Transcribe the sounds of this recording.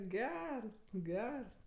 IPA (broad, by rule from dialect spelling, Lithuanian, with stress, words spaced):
ˈɡʲɛrs ˈɡʲɛrs